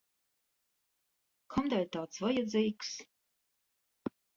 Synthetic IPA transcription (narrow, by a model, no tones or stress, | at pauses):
kʰɔmd̪alʲt̪aːt̪svɔjɛd̪zijks